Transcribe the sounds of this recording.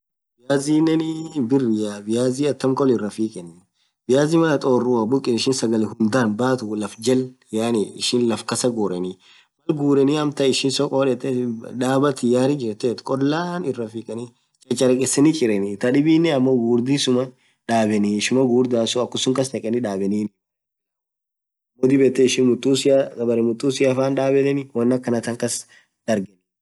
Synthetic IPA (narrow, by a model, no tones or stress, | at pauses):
bɪjaːziːnːɛnɪbɪrːɪjaːbɪjaːziːɐt̪ːɐmkʼɔlɪrːɐfiːkʼɛn | bɪjaːzɪmɐɐt̪ʼoːrːʊɐbʊkʼːɪnɪʃɪnsɐɡɐlɪhʊnd̪aːnbaːt̪ʊlɐfd͡ʒɐl | jaːnɪɪ̰ʃɪnlɐfkɐsɐɡoːɾɛnɪ | mɐlɡuːɾɛniɐmt̪ɐɪʃɪnsɔkʼoːᶑɛt̪ːɛᶑaːbɐt̪ɪjaːɾɪd͡ʒɛɾt̪ːɛt̪kʼɔlːaːnɪrːɐfiːkʼɛni | t͡ʃʼɐt͡ʃʼːɐɾɛkʼɛsɛnɪt͡ʃʼɪɾɛnɪt̪ɐᶑɪbiːnːɛɐmːoɡuːɾd̪isʊmɐ | ᶑaːbɛniʃʊmɐɡuːɾd̪aːsʊɐkːʊsʊŋkɐs̬nɛkʼɛnɪᶑaːbɛniːn | ɐmːod̪ɪbɛt̪ːɛɪʃɪnmʊt̪ʼːuːsɪjabɐɾɛmʊt̪ʼːuːsɪjafaːnᶑaːbɛnɛnɪwɐnːɐkːɐnɐt̪ɐŋkɐs | d̪ɐɾɡɛn